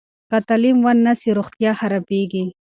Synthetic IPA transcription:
kat̪alimwanːasiɾoxt̪jɑxaɾapeɡi

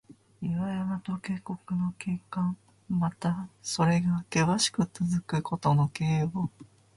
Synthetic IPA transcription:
iβajamat̪o̞ke̞ːko̞kɯ̟no̞keːkãŋ | mat̪aso̞ɾe̞ɡake̞βaɕi̥kɯ̟t͡sɨzɨkɯ̟ko̞t̪o̞no̞keːo

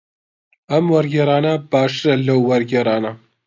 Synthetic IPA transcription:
ɐmwɐɾɡeɾaːnɐb̥aːʃɨɾɐlɐwːɐɾɡeːɾaːnɐ

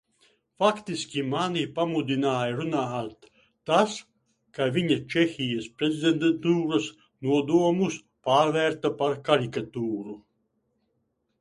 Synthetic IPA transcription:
fakt̪isʲkʲimanipamud̪ʲinaːjaɾunaːat̪ː | as | kavʲiɲat͡ʃɛxʲijaspɾezʲid̪ʲend̪ent̪uːɾɐs | nuɔd̪uɔmus | paːɾvæɾt̪apaɾkaɾikat̪uːɾu

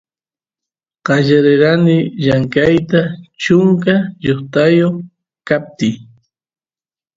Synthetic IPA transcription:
ɢ̥ɑʎaɾeɾanɪʎaŋkajt̪at͡ʃʊŋkaʎoχt̪ajoχ | kap̚t̪ɪj

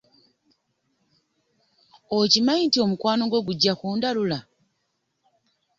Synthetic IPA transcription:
ocimaintio̞mukwaːno̞ɡwo̞ɡuɟːakuːndalula

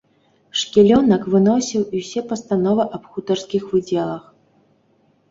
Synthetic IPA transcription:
ʂkʲɛlʲɔnɐkvɨnɔsʲiwiwsʲɛpɐst̪anɔvɨʔɐpxut̪ɐrskʲixvɨd͡zʲɛlˠɐx

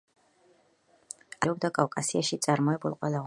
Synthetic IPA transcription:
aɔbd̪akʼawkʼasiaʃit̪sʼaɾmɔɛbulˠqʼwɛla

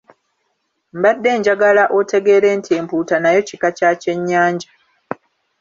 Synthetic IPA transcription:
m̩badːe̞ːɲɟaɡalaʔo̞te̞ɡe̞ːɾe̞ːntie̞ːmpuːtanajo̞cikacace̞ɲːaːɲɟa

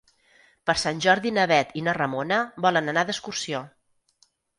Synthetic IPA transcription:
pəɾsanʲʒɔɾðinəβɛt̪inorəmonəbɔlənənad̪əskursio

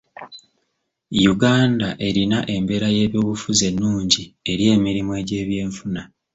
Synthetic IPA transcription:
juɡaːndaʔe̞ɾinaʔe̞mbe̞ɾaje̞ːβjo̞ːβufuze̞nːuːɲɟie̞ɾje̞ːmiɾimue̞ːɟe̞ːβje̞ːɱfuna

